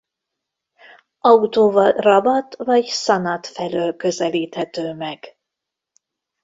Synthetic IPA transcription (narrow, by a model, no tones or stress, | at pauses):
ɒut̪oːvɒrɒbɒt̪vɒɟsɒnɒt̪fɛløːlkø̞zɛliːt̪hɛt̪øːmɛɡ̥